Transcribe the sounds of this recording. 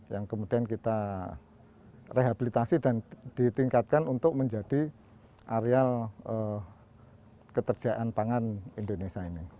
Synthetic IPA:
jaŋkəmudiankit̪a | reɦabilit̪asidand̥it̪iŋkat̪̚kanunt̪ʊk̚məɲd͡ʒad̥i | ʔaɾealʔə | kət̪ərd͡ʒ̥aʔanpaŋanindonesiaini

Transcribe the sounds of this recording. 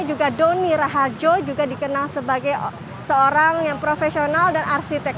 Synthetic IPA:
d͡ʒuɡadoniɾaɦad͡ʒod͡ʒuɡadikənalsəbaɡaj | səoɾaŋjaŋpɾofesionaldanarsit̪ɛk̚

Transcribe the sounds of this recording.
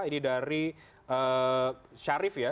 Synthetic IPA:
inidaɾi | ə | ʃaɾɪfja

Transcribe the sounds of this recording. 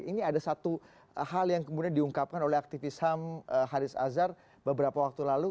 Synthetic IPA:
ʔiniadasat̪u | haljaŋkəmudiandiuŋkap̚kanolɛhak̚t̪ifisaməɦaɾɪsa̰zar | bəbəɾapawak̚t̪ulalu

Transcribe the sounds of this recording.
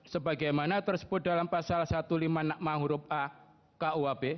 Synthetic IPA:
səbaɡajmanat̪ərsə̥b̥ʊt̪̚dalampasalsat̪ulimanaʔ̚maɦuɾʊp̚ʔa | kaʔuabe

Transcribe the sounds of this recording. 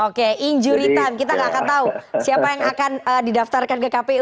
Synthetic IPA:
okeiɲd͡ʒuɾit̪ankit̪aŋɡakant̪ausiapajaŋakanəːdidaft̪arkankəkape

